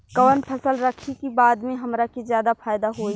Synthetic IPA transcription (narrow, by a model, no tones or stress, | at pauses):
kɐʋənpʰəsəlɾəkʰikibaːd̪mẽɦɐmɾakizjaːd̪apʰaːjd̪aɦoːi